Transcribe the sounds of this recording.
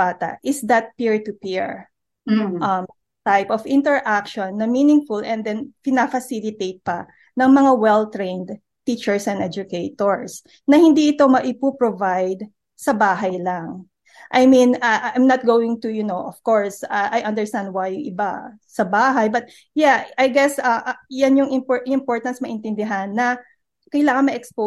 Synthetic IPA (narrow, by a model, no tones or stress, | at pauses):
aːt̪ɐ̰ʔɪsd̪ɐt̪̚piɹt̪ʊpiɹ | ɐm | t̪ajpɔvɪ̃nt̪ɛɹʔakʃɔ̃nːɐminɪ̃ŋfʊlʔɛ̃nd̪ɛnpɪnafɐsilɪt̪ejt̪̚pɐ | nɐŋmɐŋawɛlt̪ɹẽnd̪ | t̪it͡ʃɛɹsɛ̃nɛd͡ʒʊkejt̪oɹs | nɐhɪ̃nd̪iɪt̪o̞mɐʔɪpupɹɔvajd̪̚ | sɐbaːɦɐjlɐŋ | ʔajmĩnaʔajmnɐt̪̚ɡowɪ̃ŋt̪ʊjʊnoʔɔfkɔɹsaʔajʔɐ̃nd̪ɛɹst̪ãnd̪̚wajʔɪba̰ | sɐbaːɦɐjbɐt̪̚ | jaajɡɛsɐʔjanjʊŋɪmpɪmpɔɹt̪ɐnsmɐʔɪ̃nt̪ɪnd̪ɪɦanːɐ | kɐjlaːŋɐnmɐʔɛkspo